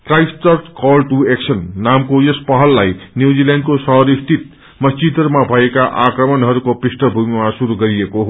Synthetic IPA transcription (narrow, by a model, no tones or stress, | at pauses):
krajstʌrt̪kʌlʈueksʰʌnːamkojʌspʌɦʌlːajnjud͡ziljaɳɖkosʌɦɾist̪it̪̚ | mʌst͡ɕid̪rmabʱʌekaʔakrʌmʌnɦʌɾukoprisʈʌbʱumimasuɾuɡʌɾiekoɦo